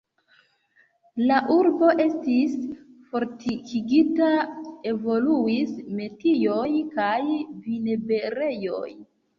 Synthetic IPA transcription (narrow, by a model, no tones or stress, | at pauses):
laʔuɾbo̞ʔe̞stis | fo̞ɾtikiɡitae̞vo̞luisme̞tijo̞jkajvinebeɾe̞jo̞̰j